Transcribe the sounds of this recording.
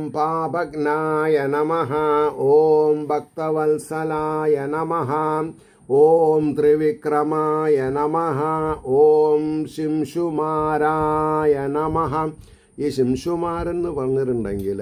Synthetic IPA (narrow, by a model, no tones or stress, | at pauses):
mpaːbʱɐknajenɐmɐɦɐoːmbʱɐk̚t̪ɐʋɐlsɐlaːjenɐmɐɦɐ | oːmt̪ɾiʋikrɐmɐjenɐmɐɦɐoːmɕimʂumaːɾaːjenɐmɐɦɐ | iːɕimʂumaːɾenːɨpɐrɐɲːiʈuɳɖeŋɡil